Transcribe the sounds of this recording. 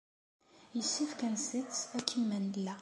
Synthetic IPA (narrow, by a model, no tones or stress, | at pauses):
jəsːifkænsit͡sækʰːimænlːæ